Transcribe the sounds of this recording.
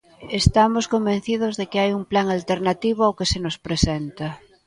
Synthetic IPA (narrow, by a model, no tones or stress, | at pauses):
est̪amoskombẽn̟θið̞ozðekeajuŋplaŋalt̪eɾnat̪iβʊawkesenospɾesɛnt̪ɐ